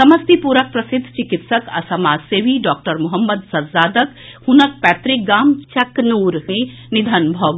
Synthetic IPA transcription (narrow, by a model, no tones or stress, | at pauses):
sɐməst̪ipuːɾək̚pɾɐsɪd̪ʱːt͡ʃɪkɪt̪səkɐ̰sɐmaːd͡ʒseːʋiɖɔːk̚ʈəɾmʊɦəmːəd̪sɐɾsaːd̪ək | hunək̚pɛːt̪ɾɪk̚ɡaːmt͡ʃɐknuːɾɦẽ | nid̪ʱənbʱɐʋ